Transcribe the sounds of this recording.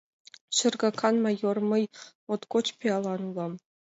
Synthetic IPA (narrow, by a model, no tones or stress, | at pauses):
ɕɘ̆rɡɑkʰɑnmɑjormɤ̆j | ot̪kot͡ɕpʲiɑlˠɑnulɑm